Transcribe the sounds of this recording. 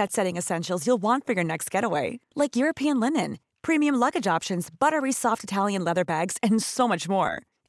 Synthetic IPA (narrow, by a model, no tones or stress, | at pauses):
ɨtsɛɾɪ̃ŋɨsɛ̃nʃl̩ˠzjulˠwɑ̃ntfə˞jə˞nɛkst̚ɡ̥ɛɾəweɪlaɪkjʊɹɨpʰiɨ̃nlɪ̃nɨ̃n | pʰɹ̥ĩmiɨ̃mlʌɡɨd͡ʒɑpʃɨ̃nzb̥ʌɾə˞isɔftɨtʰælˠjɨ̃nlɛðə˞bæɡz̥ɨ̃nsoʊmʌt͡ʃmɔ̰ɹ